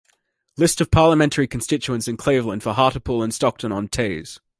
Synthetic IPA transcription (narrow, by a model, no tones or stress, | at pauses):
lɪstəv̥pʰɑːləmɛ̃ntʰəɹikʰə̃nstɪt͡ʃuə̃nsɪ̃nkʰl̥eɪvlə̃nd̥fəɦɑˑɾəpʰɔːlˠə̃nstɒk̚tʰə̃nə̃ntʰeɪz̥